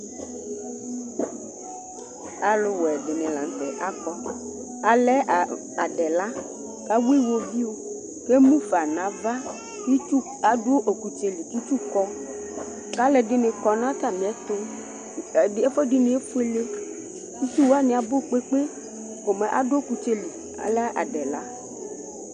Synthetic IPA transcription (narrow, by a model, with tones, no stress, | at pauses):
a˨lʊ˨wɛ˨dɪ˨nɪ̃˨lã̰˨n˨tɛ̰˨ʔa˨kɔ˦ | a˨lɛ˦˨ | a˨ɖɛ˨la˦ | ka˦we˦wo˦vi˦wo˦ | ke˦mũ˦fa˨nã˨˦va˦ | i˦u˦ | a˨dʊ˦ʔo˨ku˨t͡ʃe˨li˨ki˦t͡ʃu˦kɔ˦ | ka˦lɛ˨dɪ˨nɪ̃˨kɔ˨nã˦t̪a˦˨mĩ˨ɛ˦t̪ʊ˦˨ | e˦fɔ˦dɪ˦nɪ̃˨e˦fu˦e˦le˦ | su˦su˦wa˦nɪ̃˨˦a˨bʊ˦˨k͡pe˦k͡pe˦ | ko˨mɛ˨ʔa̰˨do˦˨ku˨t͡ʃe˦li˨ | a̰˨lɛ˦ʔa̰˨dɛ˨la˦